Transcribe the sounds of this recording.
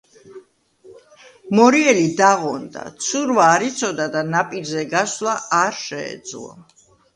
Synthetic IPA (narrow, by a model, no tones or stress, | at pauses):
mɔɾiɛlid̪aʁɔnd̪a̰t̪sʰuɾvaːɾit̪sʰɔd̪ad̪anapʼiɾzɛɡaslˠaaɾʃɛɛ̰d̪zlˠɔ̰